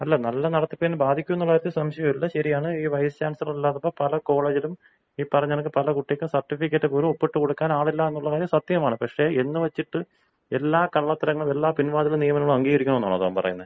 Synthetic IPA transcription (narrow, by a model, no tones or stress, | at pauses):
ɐlːɐnɐlːɐnɐɽɐt̪ːipːenːbaːd̪ʱikʲːumnːuɭːɐjɾɐt̪ːɨsɐmɕɐjɐmilːɐɕɐɾijaːɳɨiːʋɐjstaːnsilmilːaːt̪ːɐpːoːpɐlɐko̞ːɭeːd͡ʑilum | iːpːɐrɐɲːenɐkːɨpɐlɐkuʈːijkʲːumsɐrʈːifikʲːɐʈːɨpuːɾuopːeʈːɨkoɽukːaːnaːɭilːaːe̞nːuɭːɐkaːɾjɐmsɐt̪ːjɐɐmaːɳɨpɐkʂe̞enːɨʋɐt͡ɕːiʈːɨ | elːaːkɐɭːɐt̪ːɐɾɐŋːɐɭumelːaːpinʋaːðilumnijɐmɐnɐŋːɐɭumɐŋɡiːɣɐɾikʲːuɳɐmenːaːɳɐðoɐmpɐ̰rɐ̰junːɐð